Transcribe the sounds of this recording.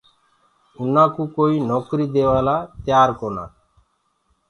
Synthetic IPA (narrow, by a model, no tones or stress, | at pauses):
ʊnaːkuːkoːiːnɔːkɾiːd̪eːʋaːlaːt̪jaːɾkoːna̰ː